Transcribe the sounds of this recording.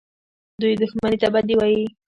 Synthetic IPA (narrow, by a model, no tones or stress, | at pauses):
d̪ʊjd̪ʊxmanit̪abad̪ɪwaji